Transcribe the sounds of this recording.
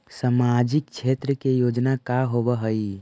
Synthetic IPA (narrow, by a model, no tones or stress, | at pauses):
samad͡ʒikt͡ʃʰet̪ɾəkejod͡ʒnakaɦobəɦəi